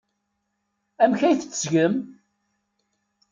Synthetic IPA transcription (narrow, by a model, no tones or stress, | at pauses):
æmçæjθət͡sːsʝəm